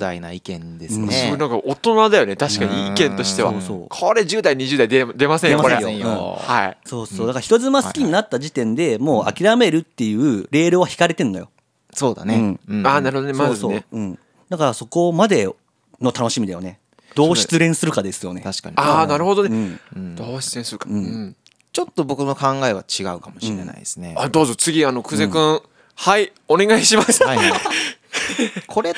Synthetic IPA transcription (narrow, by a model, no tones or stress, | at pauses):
d̪ainaikẽnd̪esɯ̃onãŋkaʔot̪o̞nad̪ajo̞net̪aɕi̥kaɲiiikẽ̞nt̪o̞ɕi̥t̪e̞βaso̰ːkʰoɾe̞ʑɨːd̪aiɲ̟iʑɨːd̪aid̪ed̪e̞masẽjdemaejõɯ̃haiso̞ːsoːd̪akaɾaçi̥t̪o̞zɨmasɨ̥kʲiɲ̟inat̪ːaʑit̪ẽ̞nd̪e̞mo̞ːa̰kʲiɾame̞ɾɯ̟t̪ːe̞jɯ̟ːɾe̞ːɾɯβaçi̥kaɾe̞t̪ẽ̞nːo̞jo̞̰ | soːd̪a̰neɯ̟̃ɴanaɾɯ̟ho̞d̪oemoaːzsɨoeɯ̟̃ɴ | d̪akaɾaso̞ko̞mad̪e̞ | no̞t̪ano̞ɕimʲid̪ajo̞ne̞ | d̪̥o̞ːɕi̥t͡sɨɾẽ̞ɰ̃sɨɾɯ̟kad̪e̞sɨjo̞ne̞aɕi̥kaɲianaɾɯ̟ho̞d̪oneɯ̟̃ːd̪̥oːɕi̥t͡sɨɾẽsɨɾɯ̟kaɯ̟̃ɴɯ | t͡ɕo̞t̪ːo̞bo̞kɯ̟no̞kãŋɡae̞βat͡ɕiɡaɯ̟kamoɕĩɾena̰iesɨnead̪o̞ːzot͡sɨɡʲiano̞kɯ̟ze̞kɯ̃ɰ | haione̞ɡaiɕimasa | kʰo̞ɾe